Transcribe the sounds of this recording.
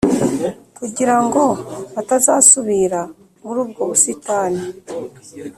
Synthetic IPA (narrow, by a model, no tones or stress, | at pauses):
kuɟiɾaŋɡo̞βatazaːsuβiɾa | muɾuːb̚ɡo̞βusitaːni